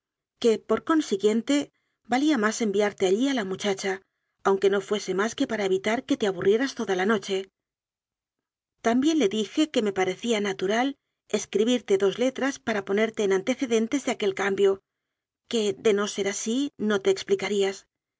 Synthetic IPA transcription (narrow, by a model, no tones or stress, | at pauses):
ke̞po̞ɾko̞nsiɣje̞nt̪e̞ | baliamase̞mbiaɾt̪e̞aʎialamut͡ʃat͡ʃaː | wŋke̞no̞fwe̞se̞maske̞paɾaeβ̞it̪aɾke̞t̪e̞aβ̞urje̞ɾast̪o̞ðalano̞t͡ʃe̞ | t̪ambje̞nle̞ðixe̞ke̞me̞paɾe̞θianat̪uɾal | e̞skɾiβiɾt̪e̞ðo̞zle̞t̪ɾaspaɾapo̞ne̞ɾt̪e̞ːnant̪e̞θe̞ðe̞nt̪e̞zðeake̞lkambjo̞ | ke̞ðe̞no̞se̞ɾasino̞t̪e̞ːksplikaɾias